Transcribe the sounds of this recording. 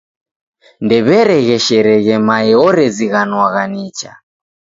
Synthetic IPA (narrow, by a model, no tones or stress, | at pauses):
ndɛβɛɾɛɣɛʃɛɾɛɣɛmaɛɔɾɛziɣanwaɣanit͡ʃa̰